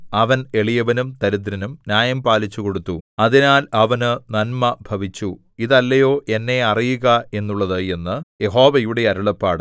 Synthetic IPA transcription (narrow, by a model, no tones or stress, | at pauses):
ɐʋɐne̞ɭijɐʋɐnumt̪ɐɾud̪ɾɐnumnjaːjɐmpaːlit͡ɕːuko̞ɽut̪ːuɐðinaːlɐʋɐnɨnɐnmɐbʱɐʋit͡ɕːu | iðɐlːɐjo̞ːʔe̞nːe̞ɐrijuɣɐe̞nːuɭːɐðɨe̞nːɨje̞ɦo̞ːʋɐjuɽe̞ɐɾuɭɐpːaːɽɨ